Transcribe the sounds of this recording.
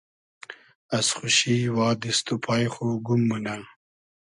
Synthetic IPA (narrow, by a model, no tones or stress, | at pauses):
asχʊʃiwɑːd̪ist̪upʰɑːjxoɡumːuna